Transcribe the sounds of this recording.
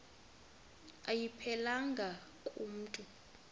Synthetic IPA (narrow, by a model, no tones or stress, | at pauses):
ajipʰɛlaŋɡʱa | kʼum̩ːtʼu